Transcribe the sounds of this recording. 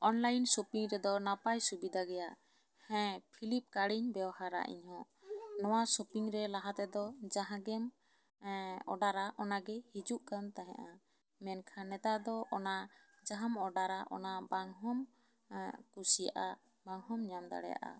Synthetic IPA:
ɔnlajnsopiŋɾɛd̪ɔnapajsubid̪ʱaɡɛjaʔ | hɛ̃pʰilip̚kaɽiɲbɛwhaɾa̰ʔḭɲhɔ̃ | nɔwasopiŋɾɛlaɦat̪ɛd̪ɔd͡ʒaɦãɡɛm | ɔɖaɾaʔɔnaɡɛhid͡ʒuʔkant̪aɦɛ̰̃ʔa | mɛnkʰanɛt̪ad̪ɔʔɔna | d͡ʒaɦamɔɖaɾaʔɔ̰nabaŋɦɔm | kusija̰ʔa | baŋɦɔmɲamd̪a̰ɽɛ̰ja̰ʔa̰

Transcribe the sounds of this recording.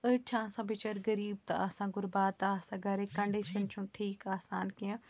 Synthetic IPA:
ɐʈːt͡ʃʰasãːbɪt͡ʃɐɾɡɐɾiːb̚t̪ɐ̰asãːɡʊɾbaːt̪aaːsãːɡʱɐɾekɐɳɖiʃənt͡ʃʰũʈʰiːkaːsaːnkijã

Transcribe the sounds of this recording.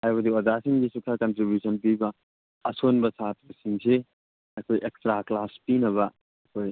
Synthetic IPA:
hajbɐd̪iɔd͡ʒasiŋɡisukʰakɐntɾibjusɐnpibɐ | ɐsonbɐsat̚bɐsiŋse | ɐkʰojʔekstɾaklaspinɐβɐ | ɐkʰoj

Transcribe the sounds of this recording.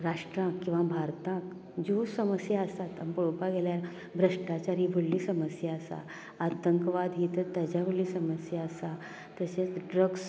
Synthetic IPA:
ɾaʂʈɾãkːĩw̃ʋabʱaɾt̪ãk | d͡ʑosəməsjaəsat̪əmbəɭopaɡeljaɾ | bʱɾəʂʈat͡ɕaɾiːbʱəɽːiːsəməsjaəsa̰ | at̪əŋkʋad̪ɦit̪əɾt̪jad͡ʑjabʱəɭlːiːsəməsjaəsa | t̪əset͡sɖɾəɡs

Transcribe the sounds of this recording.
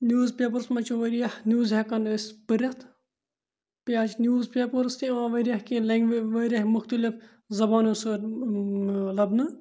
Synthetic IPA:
njuːzpʲeːpɐɾsmɐt͡ʃʰuʋɐɾijɐhnʲuːzɦekɐnəspɨɾʲɐt̪ʰ | paːt͡ʃʰnʲjuːzpʲeːpɐɾst̪iãːʋɐɾʲjɐhkileŋɡʋʋɐɾjɐhmʊxt̪ɐlif | zɐbaːnusɨ | lɐbnɨ

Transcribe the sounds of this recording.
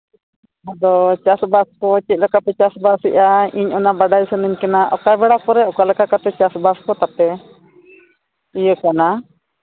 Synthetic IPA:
ad̪ɔt͡ʃasbaskɔt͡ʃic̪̚lɛkapɛt͡ʃasbasiʔaiɲɔnabaɖajsənəɲkɛnaʔɔkajbɛɽakɔɾɛɔkalɛkakat̪ɛt͡ʃasbaskɔt̪apɛ | ijəkana

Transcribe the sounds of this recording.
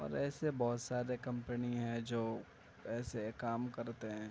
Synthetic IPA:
ɔ̰ːɾɛːsebɔːt̪saːɾekɐ̃mpəniɦɛ̃d͡ʒoː | ɛːsekaːmkɐɾt̪eɦɛ̃ː

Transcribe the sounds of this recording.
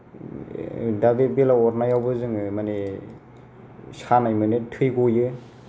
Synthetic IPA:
dabebelaɔɾnajawbɯzɯŋɯmane | sanajmɯnetʰɯjɡojɯ

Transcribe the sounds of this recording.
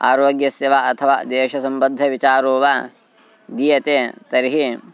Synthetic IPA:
a̰ːɾoːɡjɐseːʋaːʔɐt̪ʰɐʋa̰ːd̪eːʃɐsɐmbɐd̪ʱːɐʋit͡ʃaːɾoːʋa | d̪ijɐt̪eːt̪ɐɾiɦi

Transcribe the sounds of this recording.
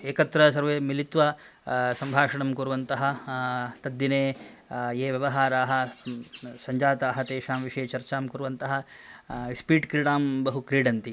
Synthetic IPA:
eːkɐt̪ɾɐs̬ɐɾʋeːmilit̪ʋɐ | sɐmbʱaːʂɐɳɐmkuɾuʋɐnt̪ɐɦɐ̆t̪ɐd̪ːineː | eːʋjɐʋɐɦaːɾaːɦɐ̆ | sɐɲd͡ʒaːt̪aːɦɐt̪eːʃaːmʋiʂeːt͡ʃɐɾt͡ʃaːmkuɾuʋɐnt̪ɐɦɐ | spiːɖkɾiɽaːmbɐɦukɾiːɖɐnt̪i

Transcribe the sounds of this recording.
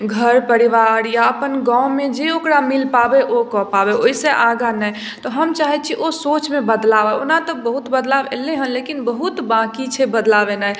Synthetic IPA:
ɡʱəɾpəɾiʋaɾjaəpənɡãʊ̃med͡ʒeokɾamilpabeʔokɔpabeoiseʔaɡanɛj | t̪ɔɦəmt͡ʃaɦɛt͡ʃʰiʔosot͡ʃmebəd̪labɛonat̪ɔbəɦut̪bəd̪labḛleɦənlekinbəɦut̪bãkit͡ʃʰɛbəd̪labenɛj

